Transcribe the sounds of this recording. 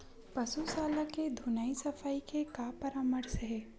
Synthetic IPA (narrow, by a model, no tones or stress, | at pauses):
pɐsusaːlaked̪ʱunaːisɐfʰaːikekaːpɐɾãːməɾseɦɛː